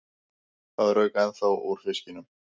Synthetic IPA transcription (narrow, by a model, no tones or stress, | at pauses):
θaðrœɥkaɛnθawoɾ̥fɪscɪnʏm